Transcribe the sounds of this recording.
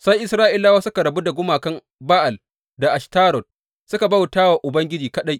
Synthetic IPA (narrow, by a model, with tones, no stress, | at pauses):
sa˦jʔɪ˨sɾaː˦ʔɪ˦laː˦waː˦sʊ˦ka˨ɾɐ˨bu˦da˨ɡʷʊ˦maː˨kɐ˦m | baː˦ʔa˨l | da˨ʔa˨ʃtaː˦ɾɔ˨t̚ | sʊ˦ka˨ba˦wtaː˦waː˨ʔʊ˨bɐ˦ŋɡʲɪ˦d͡ʒiː˨kɐ˦ɗa˦j